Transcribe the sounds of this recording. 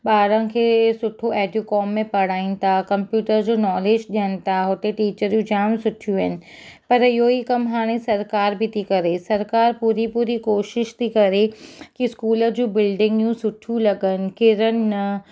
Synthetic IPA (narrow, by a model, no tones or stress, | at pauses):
ɓaːɾə̃n̆kʰeːsʊʈʰoɛːɖjukɔːmːẽpɐɽ̤aːĩnɪ̆t̪ʰakɐ̃mpjuːʈəɾd͡ʑoːnɔːleːd͡ʑɗijənɪ̆t̪ʰaɦʊt̪eʈiːt͡ɕəɾjũd͡ʑaːmsʊʈʰijũɦɪnɪ̆pɐɾɪɦoikɐmɦaːɽ̃esɐɾkaːɾbʱit̪ʰikɐɾesɐɾkaːɾpuːɾipuːɾikoːʃɪʃt̪ʰikɐɾekiskuːləd͡ʑũːbɪlɖɪ̃ŋɡjũsʊʈʰijũlɐɡənɪ̆kɪɾənɪ̆nɐ